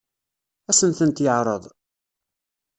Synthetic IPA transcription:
æsənθənt̪jəʕɾˤəðˤ

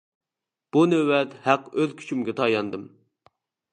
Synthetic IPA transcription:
b̥unøwɛt̪hæqøðkʲʰy̥t͡ʃʰymɡʲɛt̪ʰɑjɑnd̪ɨm

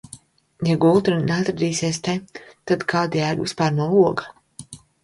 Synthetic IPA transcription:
jaɡulˠt̪ɾɨneat̪ɾad̪iːsiɛst̪ɛt̪ad̪kʰaːd̪ijæːɡṵspaːɾnuɔuɔɡa

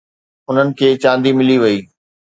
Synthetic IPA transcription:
ʊn̤ənɪ̆kʰeːt͡ɕãːnd̪imɪliʋɐiː

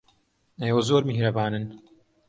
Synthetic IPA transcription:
ejwɐzoːɾmihɾɐbaːnɨn

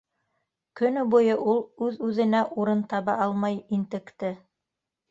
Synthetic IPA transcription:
kɵ̆nɵbujɤʔulˠʉðʉðɘ̆næʔuɾɤnt̪ɑβɑʔɑlˠmɑjint̪ɘ̆kt̪ɘ

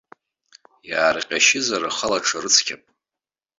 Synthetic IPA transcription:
jaːrqʲʼaʃɪzaɾaχalaʈ͡ʂʰarɨt͡sʰkʲʰapʼ

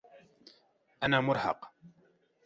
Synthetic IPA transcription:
ʔanaːmʊɾˤhɑ̰q

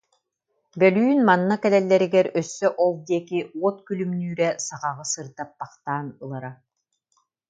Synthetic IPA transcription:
bœlyːnmanːakɛlɛlːɛɾiɡɛɾœsːœʔɔlˠd̪iɛkiuɔt̪kylymnyːɾɛsaʁaʁɯsɯɾd̪apːaqt̪aːnɯlˠaɾa

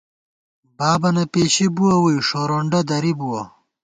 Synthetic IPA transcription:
baːbɐnɐpeːɕibuwɐwujʂoɾoːɳɖɐd̪ɐɾibuwɐ

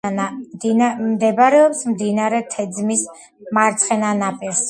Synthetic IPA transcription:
aamd̪ɛbaɾɛɔpsmd̪inaɾɛt̪ʰɛd̪zmis | maɾt̪sʰχɛnanapʼiɾs

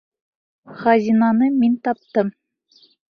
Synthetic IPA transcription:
χɑzʲinɑnɤmʲinʲt̪ɑp̚t̪ɤm

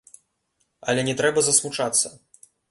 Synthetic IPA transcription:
ɐ̰lʲɛnʲɛt̪ɾɛbɐzɐsmut͡ʂat̪sːɐ

